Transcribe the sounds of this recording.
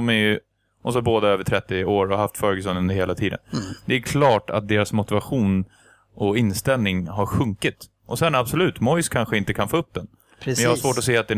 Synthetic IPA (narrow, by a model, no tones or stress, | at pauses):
mɛj | ʔɔsɔboːd̪aøːvəʈʰɾɛt̪ːɪoːɾɔhaft̪fœːɾəɡəs̬ɔnɵnd̪əɾheːlat̪ʰiːd̪ə̰nd̪ɛæɾkʰlɑːʈa̰t̪̚d̪eːɾasmʊt̪ɪvaɧuːn | ʔɔɪnst̪ɛlnɪŋɦaɾɧɵŋkɪt̪ | ʔɔsɛnabsɔlʉ̟ːt̪mɔjskʰanɧəɪnt̪əkʰanfoːɵp̚d̪ɛn | ɛjɑhasvoːʈɔseːat̪̚d̪ɛ